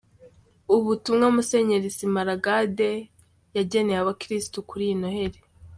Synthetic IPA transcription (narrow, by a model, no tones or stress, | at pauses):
uβutumŋamuse̞ɲeɾizimaɾaɡade̞ | jaɟe̞nejaβakɾistukuɾinohe̞ɾe